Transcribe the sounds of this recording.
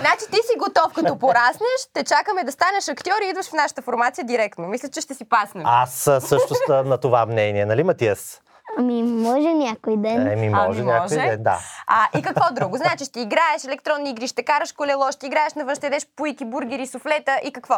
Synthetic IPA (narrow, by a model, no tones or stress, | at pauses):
znat͡ʃit̪isiɡot̪ɔfkɐt̪ɔpoɾasnəʃt̪ɛt͡ʃakəmɛd̪ɐst̪anɛʃɐkt̪ʲiɔɾiid̪vɐʃfnaʃɐ̥t̪əfoɾmat̪sijəd̪iɾɛkt̪nomislʲɐt͡ʃɛʃt̪ɛsipasnɛassːɤʃt̪ost̪nɐt̪ovamnɛniɛnɐlimɐt̪iɛs | ɐmimɔʒɛnʲakojd̪ɛnɛmimɔ̰ʒɛnʲakɔʒojɛd̪ɛnd̪a̰aʔikɐkvɔd̪ɾuɡoznaɛt͡ʃiʃt̪iːɡɾaɛʃɛlɛkt̪ɾɔnːiiɡɾiʃt̪ɛkaɾəʃkolɛlˠɔʃt̪ʲiːɡɾaɛʃnɐvə̃ʃt̪ɛd̪ɛʃpoikʲibuɾɡʲɛɾisoflɛt̪əʔikɐkvɔ